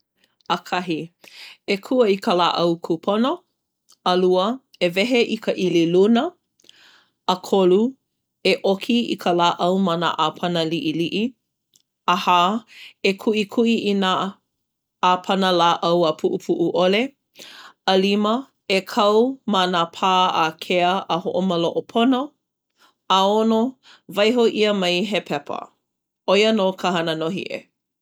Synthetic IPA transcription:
əkʰɐɦi | ekʰuəikəla̰ːʔɐwkʰupʰono | ɐluə | evɛɦeʔikʰəʔililunə | kʰolu | eʔokʰiḭkʰəlaːʔɐwmɐna̰ʔaːpʰɐnəliʔiliʔi | ɐhaːekʰuʔikʰuʔiʔinaː | apʰɐnəlaːʔɐwəpʰuʔupʰuʔuʔoleː | limə | ekʰɐwmanapʰaːakʰeəʔːhoʔomɐloʔopʰono | aono | vɐjɦoʔiəmɐjɦepʰɛpʰə̰ | ojənoːkʰəɦɐnənoɦḭʔḛ

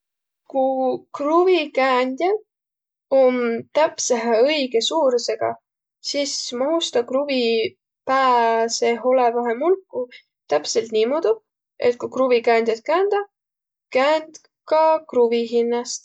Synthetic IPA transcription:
kukruvikæːnd̪̥jɑd̪ | omt̪æpseɦeɤjɡ̥e̞suːɾse̞ɡ̥ɑ̰ | sismɑɦust̪ɑkruvi | pæːse̞ɦo̞levɑɦemulkːˑu | t̪æpse̞lt̪niːmuːd̪u | e̞̰t̪̚kukruvikæːnd̪jɑt̪̚kæːnd̪̥ɑ | kæːnd̪̥ | kɑkruviɦinːɑst̪

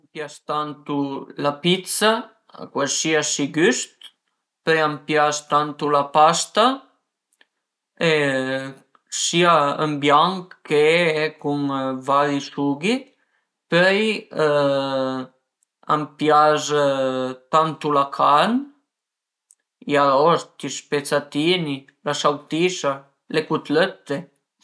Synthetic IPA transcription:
mpjast̪ant̪ulapit̪sa̰ | kwalsiasiɡyst̪ | pøjampjast̪ant̪ulapast̪a | e | siaəmbjaŋkːeɛkuŋvaɾisuɡi | pøj | a̰mpjaz | t̪ant̪ulakʰan | iaɾɔst̪ispet͡sat̪ini | lasawt̪isa | lekut̪løt̪ːe

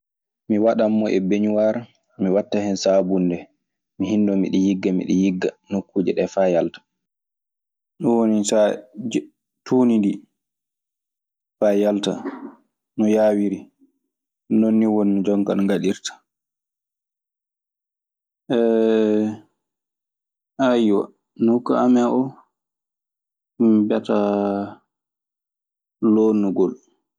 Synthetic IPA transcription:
miwaɗamːɔʔɛbeɲuwaɾa | miwatːahɛnsabundɛ | miɦindɔmḭɗɛjiɡːamḭɗɛ̰jiɡːanokːuːd͡ʒɛɗɛfajaltḁ | ɗɔwonisa | tʰuːnindi | fajalta̰ | nɔjaːwiɾi | nonːiwonːid͡ʒɔŋka̰nɡaɗiɾtḁ | ʔɛ | ajwa̰ | nɔukːa̰amɛʔɔ | mbata | lonːuɡɔl

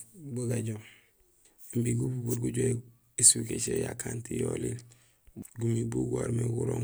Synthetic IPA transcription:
buɡaɟom | mbiɡububuɾɡuɟoe | eswiket͡ʃejakantijolil | ɡumibuɡuoɾmeɡuɾoŋ

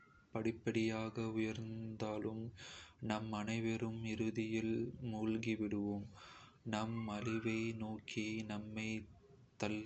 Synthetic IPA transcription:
pɐɽɪpːɐɽɪjaːɣɐʊjɐɾnd̪aːlɯmnɐmɐnɐɪʋɐɾɯmɪɾɯðɪjɪlmuːlɡiʋɪɽɯʋom | nɐmɐlɪʋɐɪnoːkʰinɐmːɐɪ | t̪ɐl

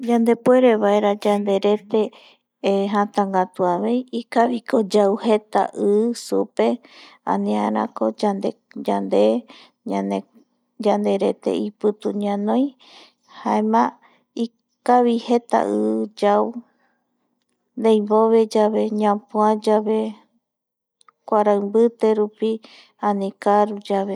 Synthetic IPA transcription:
d͡ʒãnd̪e̞pwe̞ɾeβaeɾad͡ʒand̪e̞ɾe̞t̪e̞ | ɦãt̪ãŋɡat̪uaβe̞jikaβikod͡ʒawhet̪a̰ʔɨsupe̞ã̰nĩãɾã̰kod͡ʒand̪e | d͡ʒand̪e | ɲãne | d͡ʒand̪e̞ɾe̞t̪ḛipɨt̪uɲãnõj̃ | haemã | i | kaβihe̞t̪a̰ʔɨd͡ʒaw | nd̪ejboβe̞d͡ʒaβe̞ɲãpuãd͡ʒaβe̞ | kʷaɾaɨmbɨt̪e̞ɾupi | ãnĩkaɾud͡ʒaβe

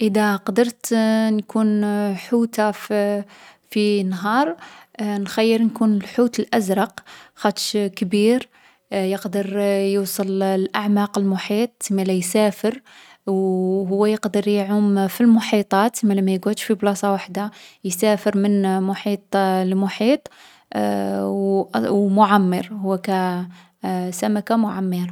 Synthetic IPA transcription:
ʔəd̪æqd̪əɾˤt̪nkʰunħut̪a | finːɦɑɾˤnxæjːəɾnkunəlħut̪əlʔæzɾˤɑqxæt̪ʃkbiɾ | jəqd̪əɾˤjusˤəllʔaʕmɑqəlmʊħit̪ˤmælæjsæfəɾ | wɦʊwːæjəqd̪əɾˤjʕʊmfilmʊħit̪ˤɑːt̪mælæmæjɡut̪ʃfiblɑsˤɑwaħd̪ajsæfəɾmənmʊħiːt̪ˤlmʊħiːt̪ˤ | wwmʊʕamːəɾhʊwːækæ | sæmækamʊʕamːiɾˤ

